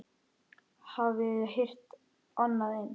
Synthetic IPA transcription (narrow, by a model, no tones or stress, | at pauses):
havɪðɦejr̥t̪ | anːaðɪn